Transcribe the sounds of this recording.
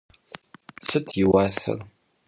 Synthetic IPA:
sɨtʰjiwaːsɨ̰r

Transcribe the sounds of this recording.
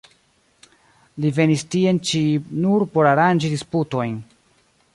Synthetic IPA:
live̞nistie̞nt͡ʃinuɾpo̞ɾaɾand͡ʒidisputo̞jn

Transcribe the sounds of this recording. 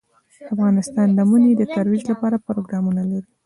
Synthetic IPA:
afɣɑnɪst̪ɑnd̪əmuned̪ət̪aɾwid͡ʒlapɑɾapɾoɡɾɑmunalaɾi

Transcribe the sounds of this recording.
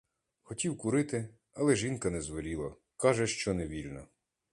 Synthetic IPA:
xɔtʲiwkʊɾɪt̪ɪ | ɐlˠɛʒinkɐnɛzʋɔlʲilˠɐ | kɑʒɛʃt͡ʃɔnɛʋʲilʲnɔ

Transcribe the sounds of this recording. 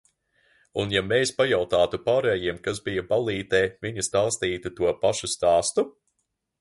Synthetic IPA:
unjameːspajawt̪aːt̪upaːɾɛːjiɛmkazbijɐbalˠiːt̪ɛːviɲɐst̪aːst̪iːt̪ut̪uɔpaʃust̪aːst̪u

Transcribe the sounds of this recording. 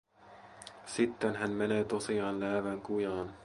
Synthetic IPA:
sit̪ːenɦænmene̞ːt̪osiɑːnlæːʋæŋkujɑːn

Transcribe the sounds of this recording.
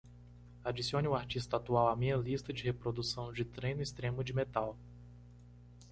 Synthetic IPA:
ad͡ʒisiõnɪʊaɾt͡ʃist̪ɐat̪uawamĩɲɐlist̪ɐd͡ʒɪhepɾod̪usɐ̃w̃d͡ʒɪt̪ɾẽj̃nʊist̪ɾẽmʊd͡ʒɪmet̪aw

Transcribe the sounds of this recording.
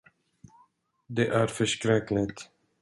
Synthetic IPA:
d̪ɛʔæɾfœʂkɾɛklɪt̪

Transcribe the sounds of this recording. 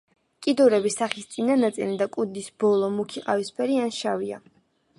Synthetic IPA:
kʼid̪ɔɾɛbisaχist̪sʼinanat̪sʼḭlid̪akʼud̪isbɔlˠɔmukʰiqʼavispʰɛɾianʃavia̰

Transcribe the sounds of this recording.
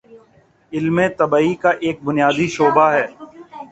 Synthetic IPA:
ɪlmẽt̪ɐbaːikaʔeːk̚bʊnjaːd̪iʃoːbaɦɛː

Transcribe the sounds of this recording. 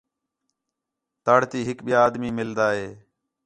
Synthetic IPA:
t̪aːɽ̤t̪iːɦɪkɓɪjaːd̪miːmɪld̪aːɦeː

